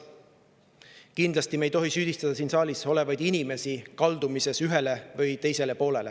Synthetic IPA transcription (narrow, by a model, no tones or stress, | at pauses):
kind̪lɑst̪imejt̪o̞ɦisyːd̪̥ist̪ɑd̪̥ɑsiːnsɑːlʲiso̞le̞vɑjd̪̥inʲime̞sikɑld̪umise̞syɦe̞levɤjt̪e̞jse̞le̞po̞ːle̞le̞̰